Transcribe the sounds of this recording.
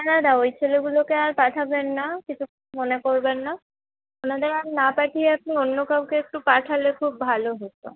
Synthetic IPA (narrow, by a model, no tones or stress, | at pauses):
anad̪aojt͡ɕʰeleɡulokeaɹpaʈʰabenːakit͡ɕʰu | monekoɹbenːa | onad̪eɾaminapaʈʰieap̚nionːokawkeek̚ʈupaʈʰalekʰub̚ːʱaloɦot̪o̰